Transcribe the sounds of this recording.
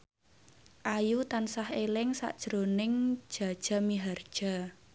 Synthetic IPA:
ʔajut̪ansahelɪŋsa̰ʔd̥ʒ̥ɾonɪŋ̥ʒ̥a̤d̥ʒ̥a̤miɦard̥ʒ̥a̤

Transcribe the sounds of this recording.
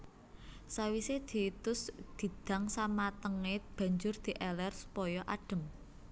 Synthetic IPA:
sawised̪̥i̤ːt̪ʊsd̪̥i̤d̪̥a̤ŋsamat̪əŋeb̥ä̤ɲd͡ʒʊrd̪̥i̤ʔɛlɛrsu̥pɔjɔʔaɖ̥ə̤m

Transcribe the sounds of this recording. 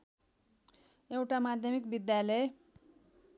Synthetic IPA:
ewʈamad̪ʱjʌmikbid̪jalee

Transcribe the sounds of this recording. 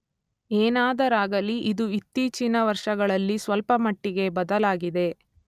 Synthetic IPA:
eːnaːd̪ɐɾaːɡɐliʔid̪uit̪ːiːt͡ʃinɐʋɐɾʂɐɡɐɭɐlːisʋɐlpɐmɐʈːiɡe̞bɐd̪ɐlaːɡid̪e̞

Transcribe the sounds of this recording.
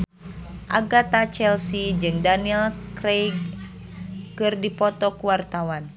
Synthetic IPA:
ʔaɡat̪at͡ʃɛlsid͡ʒɨŋdaniɛlkɾejkː | ɨrdipɔt̪ɔkuwart̪awan

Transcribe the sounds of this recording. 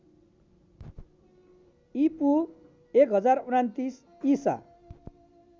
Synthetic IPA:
ipu | ekɦʌd͡zarunant̪is | isa̰

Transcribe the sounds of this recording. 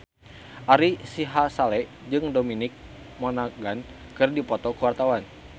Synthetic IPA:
ʔaɾisiɦasalɛ | d͡ʒɨŋdominɪk̚ | mɔnaɡan | kɨrdipɔt̪ɔkəwart̪awan

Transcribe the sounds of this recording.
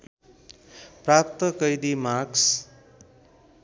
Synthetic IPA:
prap̚t̪ʌkʌjd̪imaks

